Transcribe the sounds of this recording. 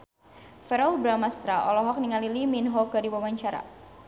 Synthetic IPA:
fɛɾɔlbɾamast̪ɾaʔɔlɔɦɔk̚niŋaliliminɦɔkadiwawaɲt͡ʃaɾa̰

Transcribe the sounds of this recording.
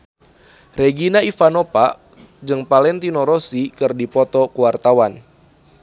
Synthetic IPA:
reɡinaifanopa̰ | d͡ʒɨŋpalɛnt̪inɔɾɔsikɨrdipɔt̪ɔkuwart̪awan

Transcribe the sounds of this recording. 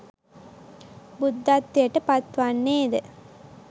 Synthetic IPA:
bud̪ːat̪ːejəʈəpat̪ʋanːeːd̪ə

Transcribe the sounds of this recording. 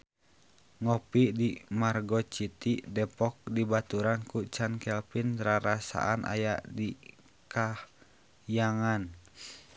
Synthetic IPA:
ŋɔpidimarɡɔt͡ʃit̪idɛpɔk̚dibat̪uɾankut͡ʃankɛlpinɾaɾasa̰ʔanʔa̰jaʔdi | kah | jaŋan

